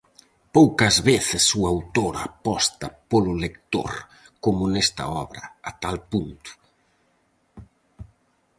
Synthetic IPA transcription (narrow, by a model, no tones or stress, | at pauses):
powkɐzβeθɪsuawt̪oɾapɔst̪ɐpolʊlek̚t̪o̰ɾ | komʊnɛst̪ɐ̰ɔ̰βɾɐːt̪alpunt̪ʊ̥